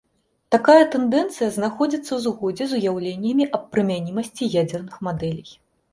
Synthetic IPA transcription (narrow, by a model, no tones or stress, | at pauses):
t̪akajɐt̪ɛnd̪ɛnt̪sɨjɐznaxɔd͡zʲit̪sːɐwzɣɔd͡zʲɛzujawlʲenʲːɐmʲiʔɐp̚pːɾɨmʲanʲimɐsʲt͡sʲijad͡zʲɛrnɨxmad̪ɛlʲij